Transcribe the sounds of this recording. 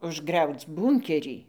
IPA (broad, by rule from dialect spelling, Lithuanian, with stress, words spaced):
ʊʒˈɡrʲɛʊt͡s ˈbuːŋʲkʲɛrʲiː